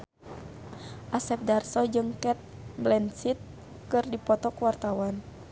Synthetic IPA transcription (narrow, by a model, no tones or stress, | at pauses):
ʔasɛp̚darsɔd͡ʒɨŋkɛt̪̚blɛnsit̪̚ | kɨrdipɔt̪ɔkuwart̪awan